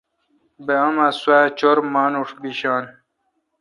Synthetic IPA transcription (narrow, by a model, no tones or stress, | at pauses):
beamaswat͡ɕoɾmaːnuʂbiɕaːn